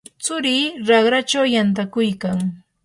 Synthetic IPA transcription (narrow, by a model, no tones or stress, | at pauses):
t͡sʊɾiːɾɑχɾat͡ʃawjant̪̬akʊjkaŋ